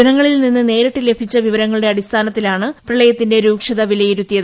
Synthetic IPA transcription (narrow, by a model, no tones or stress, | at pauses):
ɐɾɐŋːɐɭilninːɨne̞ːɾɐʈːile̞bʰʱit͡ɕːɐʋiʋɐɾɐŋːɐɭɨɽe̞ɐɽist̪ʰaːnɐt̪ːilaːɳɨprɐɭɐjɐt̪ːinde̞ɾuːkʂɐðɐʋilɐjiɾut̪ːijɐðɨ